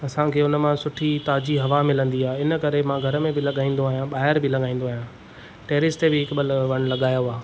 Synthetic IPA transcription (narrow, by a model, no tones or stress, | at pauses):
ɐsãkʰeːʊnəmãsʊʈʰit̪aːd͡ʑiɦɐʋamɪlə̃nd̪iaːɪnə̆kɐɾemãɡʱɐɾəmẽbɪlɐɠaːĩːnd̪oaːɦijãɓaːɦɪɾbɪlɐɡaːĩːn̆d̪oaːɦjã | ʈeːɾɪsʈt̪ebɪɦɪkbəlʋɐɽ̃lɐɠaːjoaː